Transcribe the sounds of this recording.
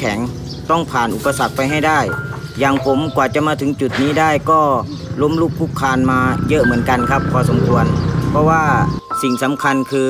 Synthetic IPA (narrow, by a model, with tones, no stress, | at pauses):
kʰɛ˩˦ŋ | t̪ɔ˥˩ŋpʰaː˨˩nʔu˨˩pːa˧sa˨˩k̚pa˧jɦa˥˩jdaː˥˩j | jaː˨˩ŋpʰo˨˦mkwaː˨˩t͡ɕa˨˧˩ʔmaː˧t̪ʰɯ˨˦ŋt͡ɕu˨˩t̪̚niː˦˥˩daː˥˩jkɔː˥˩ | lo˧˥˨mlu˧˥˩p̚ʰːu˦˧˥kʰːaː˧nmaː˧jɤ˧˥ʔmɯ˩˦ənka˧nkʰa˧˥p̚ʰːɔː˧so˩˦mkʰu˧ənpʰɔ˧waː˧˥˩si˨˩ŋsa˨˦mkʰa˧nkʰɯː˧